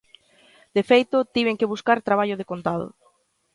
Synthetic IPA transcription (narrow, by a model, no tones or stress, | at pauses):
d̪̥efejt̪ʊt̪iβeŋkeβuskaɾt̪ɾaβ̞aʎʊð̞ekont̪aðʊ̰